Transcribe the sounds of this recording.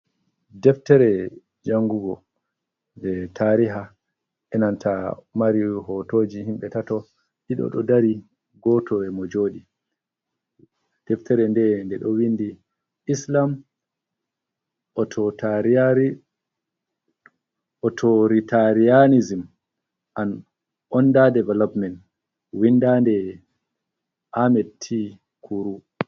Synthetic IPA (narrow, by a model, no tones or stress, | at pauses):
dɛftɛɾɛ | d͡ʒaŋɡuɡɔ | dɛtʰaɾiɦa | ʔɛnantʰamaɾihɔtoːd͡ʒihimɓɛtatɔ | ɗiɗɔ̰ɗɔ̰daɾi | ɡɔtɔɛmɔd͡ʒoːɗi | d̥ɛftɛɾɛndɛndɛɗɔwinːdi | islam | ʔɔtʰɔtaɾiaɾi | ʔɔtʰoɾitaɾijanizim | ʔan | ʔɔndadɛvɛlɔpmɛnt | windandɛ | ʔamɛdtʰːi | kʰuɾu